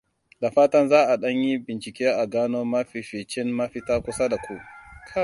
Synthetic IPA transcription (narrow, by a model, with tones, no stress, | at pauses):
da˨ɸaː˦tɐ˦nzaː˦ʔa˨ɗɐ˦ɲji˦bɪ˨nt͡ʃɪ˨kʲeː˦ʔa˨ɡaː˦noː˦ma˦ɸi˨ɸiː˨t͡ʃɪ˦nːa˦ɸɪ˦taː˦kʷʊ˦sa˦da˨kʷu˨ʔkʰa˦